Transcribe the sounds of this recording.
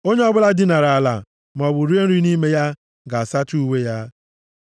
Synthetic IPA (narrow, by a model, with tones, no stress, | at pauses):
o˦ɲe˦ɔ˦bʊ˦la˦dɪ˦na˨ɾa˨a˨la̰˨ | m˨ɔ˨bʊ˨ɾi˦e˦n̩˦ɾi˦ni˦me˦ja˦ | ɡa˨a˨sa˦tu˦u˦we˦ja˦